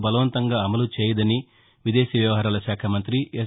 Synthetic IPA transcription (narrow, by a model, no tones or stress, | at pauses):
bɐlɐʋɐnt̪ɐŋɡaːɐmɐlut͡ʃeːjɐd̪ɐni | ʋid̪eːʃɐʋjɐʋɐɦaːɾaːlɐʃaːkʰɐmɐnt̪ɾi